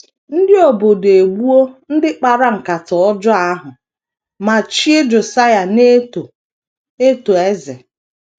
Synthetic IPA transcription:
n̩˦dɪ˦o˨bo˨de˨ɡ͡bu˦o˦n̩˦dɪ˦k͡pa˨ɾa˦ŋ͡m̩˨ka˨tɔ˨ɔ˦d͡ʒɔ˦a˦ɦʊ˨ | ma˨t͡ʃi˦e˦d͡ʒo˨sa˦ja˨ne˦˨ | e˦to˨e˦ze˨

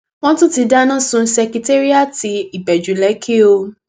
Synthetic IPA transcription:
w̃ɔ̃˦tũ˦ti˧da˦nã˦˨sũ˧sɛ˧ki˧te˦ɾi˦a˦˨ti˧i˨bɛ˨d͡ʒu˨˦lɛ˨˦kʰe˦o˧

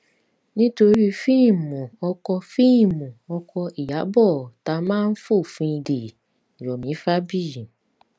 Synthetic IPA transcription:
nĩ˦to˧ɾi˦fi˦˨mũ˨ɔ˧kɔ˧fi˦˨mũ˨ɔ˧kʰɔ˧i˨ja˨˦bɔ˦˨ta˨˧˦mãː˦n̩˦fo˦˨fũ˧i˧de˨ | ɾɔ˨mĩ˨˦fa˦bĩ˦˨

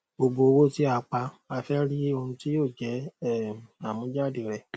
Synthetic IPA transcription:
bo˧bo˧o˧wo˦ti˦a˧k͡pa˧ | a˧fɛ˦ɾi˦o˧hũ˧ti˦joː˦˨d͡ʒɛ˨˦˨ | a˨mũ˨˦d͡ʒa˦˨de˨ɾɛ˨

